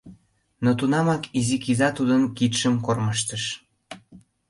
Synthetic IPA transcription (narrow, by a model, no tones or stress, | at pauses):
not̪unɑmɑkizikizɑt̪ud̪ənkit̪ʃəmkorməʃt̪əʃ